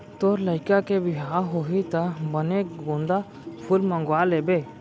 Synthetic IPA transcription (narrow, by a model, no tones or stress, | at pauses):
t̪oɾləɪkakebɪɦaːɦoːɦit̪abənekɡõːnd̪a | pʰʊlmə̃ŋɡwaːleːbe